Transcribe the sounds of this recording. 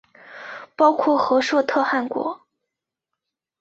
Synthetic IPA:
pɑ˥ʊkʰwɔ˥˩xɤ˧˥ʂwɤ˥˧t̪ʰɤ˥˧xa˥˩nkwɔ̰˧˥

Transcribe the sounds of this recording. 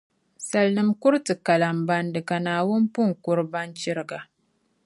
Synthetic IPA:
sa˨lnɨ˨mkʊ˦ɾtɨ˨ka˨la˨mba˦ndɨ˨ka˨naː˨wʊ˦n˦pu˦ŋkʊ˦ɾba˦nt͡ʃɪ˦ɾɨ˨ɡa˨

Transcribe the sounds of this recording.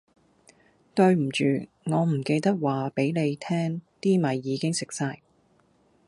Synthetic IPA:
t̪ɵ˧ɥm̩˨˩t͡ʃyː˨ | ŋɔː˨˧m̩˨˩ke˧jt̪ɐ˥k̚waː˨pe˨˥jne˨˧jt̪ʰɛː˥ŋt̪iː˥mɐ˨˧jːiː˨˧kɪ˥ŋsɪ˨k̚saː˧j

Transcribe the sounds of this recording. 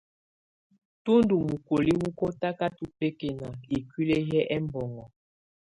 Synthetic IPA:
tu˦ndu˨mu˨ko˨li˦wu˦ko˦ta˦ka˦tu˦pe˦ke˦na˨i˨kwi˦le˦jɛ˦ʔɛ˦m˦bɔ˨ŋɡɔ˨

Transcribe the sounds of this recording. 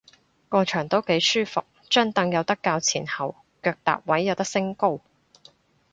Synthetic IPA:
kɔː˧t͡ʃʰœː˨˩ŋt̪o˥wke˨˥jsyː˥fʊ˨k̚ | t͡ʃœː˥ŋt̪ɐ˧ŋjɐ˨˧wt̪ɐ˥kːaː˧wt͡sʰiː˨˩nhɐ˨w | kœː˧k̚t̪a̰ː˨p̚wɐ˨˥jːɐ˨˧wt̪ɐ˥k̚sɪ˥ŋko˥w

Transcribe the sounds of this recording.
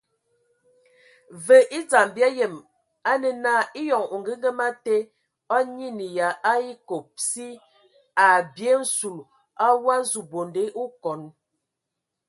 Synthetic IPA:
və˨ʔi˦t͡sa˨m˨bja˦je˨m | a˦nə˨na˦i˦jɔ˨ŋu˨ŋ̩˨ɡə˦ŋɡə˦ma˦te˦ | ɔ˦ɲi˦ni˨ja˨a˦i˦ko˨p̚si˦ | a˨bje˦n̩˦su˨l | a˦wa˦zu˨bo˨nde˨˦ʔu˦kɔ˨n

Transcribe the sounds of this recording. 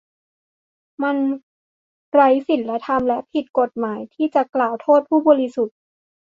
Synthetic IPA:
ma˧n | ɾa˦˥jsi˨˩nla˦˥t̪ʰa˧mlɛ˦˥ʔpʰi˨˩t̪̚ko˨˩t̪̚maː˩˦jt̪ʰiː˥˩t͡ɕa˨˩klaː˨˩wt̪ʰoː˥˩t̪̚pʰuː˥˩bɔː˧ɾi˧˥su˨˩t̪̚

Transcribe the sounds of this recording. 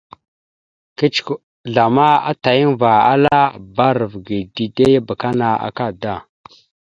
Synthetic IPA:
ki˦t͡ʃk | ɮa˨ma˦a̰˦ta˨ji˦nva˨a̰˦la˦ba˦ɾə˨vɡi˨di˨de˦ja˦ba˨ka˦na˨a̰˨ka˦˨da˦˨

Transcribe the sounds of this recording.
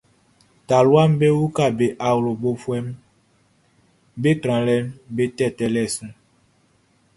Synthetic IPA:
ta˨lwa˦m˦be˦wu˦ka˦˨be˨ʔa˨wlo˨bo˨fwɛ˦m | be˦kɾ̃ã˨lɛ˦mbe˦tɛ˦˨tɛ˦lɛ˦˨sũ˦

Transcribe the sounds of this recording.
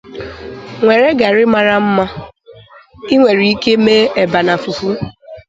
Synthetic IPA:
ŋʷe˨ɾe˦ɡa˨ɾɪ˦ma˨ɾa˦m̩˦ma˦ | i˦ŋʷe˨ɾi˨i˦ke˦meː˦e˨ba˨na˨fu˨fu˦

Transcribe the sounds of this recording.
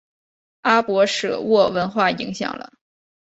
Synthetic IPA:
a˥pwɔ˧˥ʂɤ̰˨˩wɔ˥˩wə˧˥nxwa˥˩i˧˥ŋɕjɑ̰˨˩ŋlə̰˦

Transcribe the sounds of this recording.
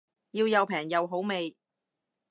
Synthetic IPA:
jiː˧wjɐ˨˧wpʰɛː˨˩ŋjɐ˨˧wɦo˨˥wme˨j

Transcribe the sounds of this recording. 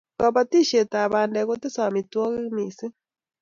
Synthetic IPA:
ba˨βa˦ti˦ʃe˨ta˨βaː˨nde˨ɣo˦te˦sa˨mi˨twɔ˦ɣi˦miː˨si˦

